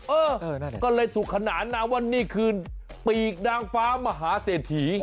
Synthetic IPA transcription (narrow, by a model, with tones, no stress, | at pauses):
ʔɤː˧ɤː˧a˥˩˨kɔː˥˩lɤː˧jt̪ʰuː˨˩kʰːa˧naː˩˦nːaː˧wa˧˥˨nːiː˥˩kʰɯː˧n | piː˨˩k̚naː˧ŋfaː˦˥maː˧ɦaː˩˦seː˨˩t̪ʰːiː˨˩˦